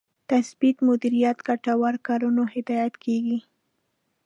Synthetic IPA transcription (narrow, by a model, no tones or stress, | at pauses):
t̪asbit̪mʊd̪iɾijat̪ɡaʈawaɾkɑɾunohɪd̪ɑjat̪kʰeɡi